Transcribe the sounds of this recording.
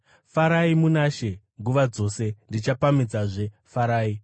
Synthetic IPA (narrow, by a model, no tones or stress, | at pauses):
faɾaimunaʃe | ŋɡuʋad͡zo̞ːse̞ndit͡ʃapamid͡zaʐe̞ | faɾaːi